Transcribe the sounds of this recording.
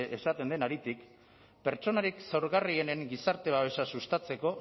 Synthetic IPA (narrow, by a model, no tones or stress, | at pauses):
ʔesat̪e̞nd̪enaɾit̪ik | pe̞ɾt͡ʃo̞naɾiksewɾɣariene̞ŋɡisaɾt̪e̞βaβe̞sasust̪at͡se̞ko̞